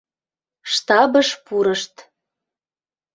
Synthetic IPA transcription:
ʃt̪ɑbəʃpuɾəʃt̪

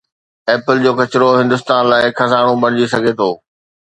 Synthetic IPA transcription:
ɛːpəld͡ʑoːkɐt͡ɕɪɾoɦɪ̃nd̪ʊst̪aːnlaːɪkʰɐzaːɽ̃õbɐɽ̃ɪd͡ʑisɐɡʱet̪ʰoː

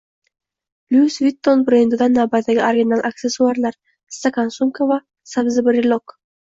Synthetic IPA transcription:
lʲusvit̪ːonbɾend̪ɪd̪anːavbat̪ːaɡʲɪoɾɡʲinalˠʔak̚t̪ʲesːuaɾlˠaɾ | st̪akansumkova | sabzɪbɾɪlok

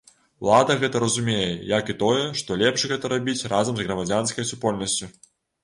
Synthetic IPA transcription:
ulˠad̪ɐɣɛt̪ɐɾɐzumʲejɛjakit̪ɔjɛʂt̪ɔlʲɛpʂɣɛt̪ɐɾabʲit͡sʲrazɐmzɣɾɐmad͡zʲanskɐjsupɔlʲnɐsʲt͡sʲu

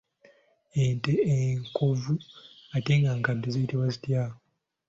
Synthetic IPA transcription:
enteeŋkʰo̞vuate̞ŋɡaŋkadoziitiβwazitjaːo

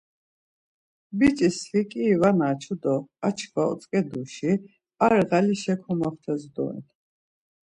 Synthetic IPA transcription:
bit͡ʃʼisχikʼiːvanaːt͡ʃʰud̪ɔat͡ʃʰkʰvaɔ̰t͡s̪ʼkʼɛd̪uʃi | aɾʁaliʃɛkʰɔmaχt̪ʰɛzd̪ɔ̰ɛ̰n

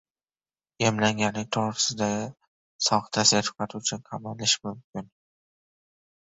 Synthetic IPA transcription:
jemlaŋɡʲanɪŋt̪ʰoʁɾɪsɪd̪a | sɒχt̪ʰaseɾ̥qɑt̪ʰut͡ʃʰɪkʰamalɪʃmʊmkʲʰɪn

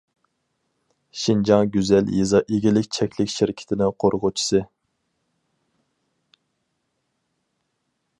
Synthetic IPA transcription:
ʃind͡ʒɑŋɡʲyzɛljezɑʔeɡʲilɪkʲt͡ʃʰɛkʲʰlɪkʲʃiɾɪkʲʰɪ̥t̪ʰɪnɪŋqʰoɾʁʊt͡ʃʰi̥sɨ

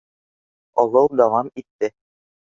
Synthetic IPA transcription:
ɒlˠɤwd̪ɑwɑmit̪ːɘ

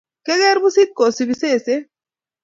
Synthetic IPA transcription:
keɡeɾbusit̪̚kosibiseːse

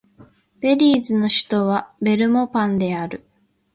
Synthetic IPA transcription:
b̥e̞ɾʲiːzɨno̞ɕɨ̥t̪o̞βabe̞ɾɯ̟mo̞pãnd̪e̞aɾɯ̟

